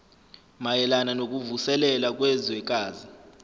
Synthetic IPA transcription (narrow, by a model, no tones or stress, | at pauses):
majɛlananok̬ʼuvusɛlɛlak̬ʼwɛzwɛk̬ʼaːzi